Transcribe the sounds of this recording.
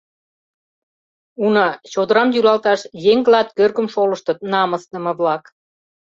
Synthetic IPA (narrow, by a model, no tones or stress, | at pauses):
unɑt͡ɕod̪əɾɑmjylɑlt̪ɑʃjeŋɡlɑt̪kørɣə̆mʃolə̆ʃt̪ə̆t̪nɑmə̆st̪ə̆mɤ̆βlɑk